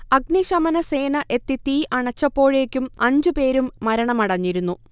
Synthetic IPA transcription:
ɐɡniʂɐmɐnɐse̞ːnɐʔe̞t̪ːit̪iːʔɐɳɐt͡ɕːɐpːo̞ːɻe̞ːkʲːumɐɲd͡ʑupe̞ːɾumːɐɾɐɳɐmɐɽɐɲːiɾunːu

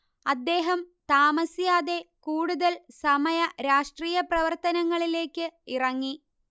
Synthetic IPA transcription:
ɐd̪ːe̞ːɦɐmt̪aːmɐsjaːðe̞kuːɽuðɐlsɐmɐjɐɾaːʂʈriːjɐprɐʋɐrt̪ɐnɐŋːɐɭile̞ːkːɨirɐŋːi

